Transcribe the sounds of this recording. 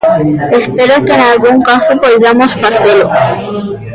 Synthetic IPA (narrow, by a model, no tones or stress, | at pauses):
espeɾokeːnalɣuŋkasopojðamosfaθelo